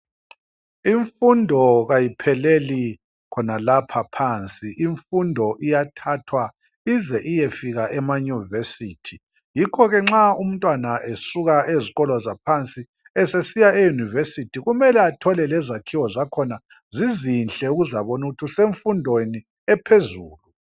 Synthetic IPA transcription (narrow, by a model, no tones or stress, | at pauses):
iɱfundʱɔɣajipʰɛleli | kʰɔnalapʰapʰant͡sʼiiɱfundʱɔʔijatʰatʰwa | izɛʔijefiɣaʔɛmajuvesiːtʰi | jikʰɔɣɛŋ͡ǁaum̩ntʼwanaʔesuɣaʔeziɣɔlɔzapʰant͡sʼi | ɛsesijaejunivesitʰiɣumɛlɛatʰɔlɛlɛzakʰiwɔzakʰɔna | zizinɬʼɛuɣuzaβɔnuɣutʰiseɱfundʱweni | ɛpʰezuːlu